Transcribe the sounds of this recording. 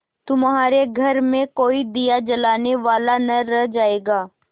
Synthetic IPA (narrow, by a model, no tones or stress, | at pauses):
t̪ʊmɦaːɾeɡʱɐɾmẽkoːid̪ijad͡ʒɐlaːneʋaːlanɐɾɛɦd͡ʒaːeːɡaː